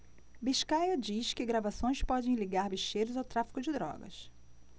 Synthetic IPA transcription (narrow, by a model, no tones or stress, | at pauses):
biʃkajɐd͡ʒiʃkɪɡɾavasõj̃spɔd͡ʒẽj̃liɡaɾbiʃejɾʊzawt̪ɾafi̥kʊd͡ʒɪd̪ɾɔ̰ɡɐ̰s